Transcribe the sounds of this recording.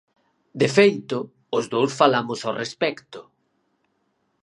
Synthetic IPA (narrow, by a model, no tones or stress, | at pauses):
d̪efejt̪ʊ | ʊzðowsfalamʊsarespɛkt̪ʊ